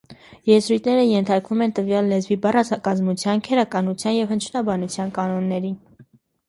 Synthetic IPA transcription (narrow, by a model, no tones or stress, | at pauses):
jɛzɾujt̪ʰnɛɾəjɛnt̪ʰɑɾkvumɛnt̪əvjɑlːɛzvibɑrɑzɑkɑzmut͡sʰjɑnkʰɛɾɑkɑnut͡sʰjɑnjɛvhənt͡ʃʰunɑbɑnut͡sʰjɑnkɑnɔnːɛɾin